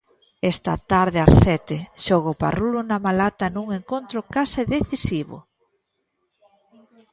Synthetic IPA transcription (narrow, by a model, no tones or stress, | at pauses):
ɛst̪ɐ̰t̪aɾðeasɛt̪ɪʃoɣopa̰rulunamalat̪ɐnuŋeŋkont̪ɾʊkasɪðeθisiβʊ̰